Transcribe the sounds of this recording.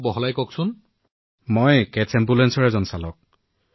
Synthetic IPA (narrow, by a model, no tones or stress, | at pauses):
bɔɦɔlajkɔksʊn | mɔjkɛsɛmbulɛnsɔɹɛzɔnsalɔk̚